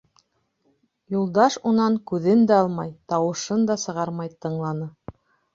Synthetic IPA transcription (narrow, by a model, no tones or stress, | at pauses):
julˠd̪ɑʃunɑŋkʉðɘnd̪æɑlˠmɑjt̪ɑwɤ̆ʃɤnd̪ɑsɤ̆ʁɑɾmɑjt̪ɤ̆ɴlˠɑnɤ